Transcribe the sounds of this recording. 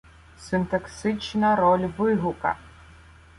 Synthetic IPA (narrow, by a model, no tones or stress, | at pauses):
sɨnt̪ɐksɨt͡ʃnɐɾɔlʲvɨɦʊkɐ̰